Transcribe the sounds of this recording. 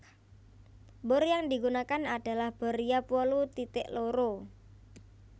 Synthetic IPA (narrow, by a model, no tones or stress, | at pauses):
bʊɾjaŋdiɡunakanaɖ̥a̤lahb̥ə̤ɾijapuɔlut̪it̪ɪʔloɾo